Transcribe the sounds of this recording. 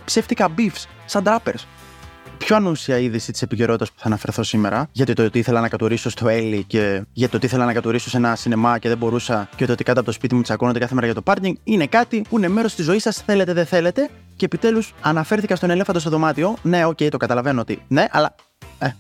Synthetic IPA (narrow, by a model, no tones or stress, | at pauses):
pse̞ft̪ikɐbifs | sɐnd̪ɾɐpeɾs | pço̞ɐnusiɐiðisit̪i̥se̞piceɾo̞t̪it̪ɐspu̥θɐːnɐfe̞ɾθo̞sime̞ɾɐʝɐt̪it̪ot̪iiθe̞lɐnɐkɐt̪oɾiso̞st̪o̞e̞lice̞ʝɐt̪it̪ot̪iiθelɐnɐkɐt̪oɾiso̞se̞nɐsine̞mɐceðe̞bo̞ɾusɐceoot̪ikɐnɐpoospit̪imut̪isɐkonod̪ekɐθee̞ɾɐʝɐt̪o̞pɐɾɲiŋɡine̞kɐt̪ipuineme̞ɾo̞st̪izo̞isɐsθe̞le̞t̪eðeθe̞le̞t̪e̞ | ce̞ːpit̪e̞lusɐnɐfe̞ɾθikɐst̪one̞lefɐnd̪ost̪oðo̞mɐt̪io̞ne̞o̞ce̞jt̪o̞ɡɐt̪ɐlɐvenoot̪ine̞ʔɐ̰lɐ | e